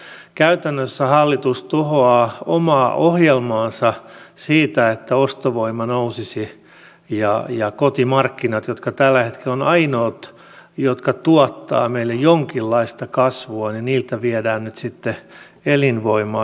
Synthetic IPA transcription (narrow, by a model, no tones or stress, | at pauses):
kæyt̪ænːøsːæhɑlːit̪ust̪uhoɑːomɑːʔohjelmɑːnsɑsiːt̪æet̪ːæost̪oʋoimɑnousisi | jɑjɑkot̪imɑrkːinɑt̪jot̪kɑt̪ælːæhet̪kelːonɑinoːt̪ | jot̪kɑt̪uɔt̪ːɑ̰ːmeilːejjoŋkilːɑist̪ɑkɑsʋoɑninniːlt̪æʋiɛdæːnnyt̪sit̪ːe | elinʋoimɑː